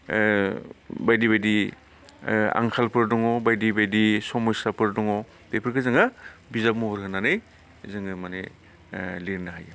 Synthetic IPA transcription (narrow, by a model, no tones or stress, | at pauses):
bajdibajdi | a̰ŋkʰalpʰɯɾdɔŋɔbajdibajdisɔmɔjsapʰɯɾdɔŋɔ | tepʰɯɾkɯzɯŋabizap̚muhɔɾhɯnanɯj | zɯŋɯmane | liɾnaɦaj